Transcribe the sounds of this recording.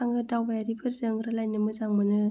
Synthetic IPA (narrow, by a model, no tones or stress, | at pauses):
aŋɯdawbajɾipʰɯɾzɯŋɡɾɯlajnɯmɯzaŋmɯnɯ